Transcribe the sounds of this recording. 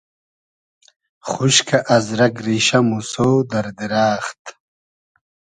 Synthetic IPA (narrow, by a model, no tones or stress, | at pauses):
χuɕkʰɐʔɐzɾɐkɾiɕɐmusoːd̪ɐɾd̪iɾaːχt̪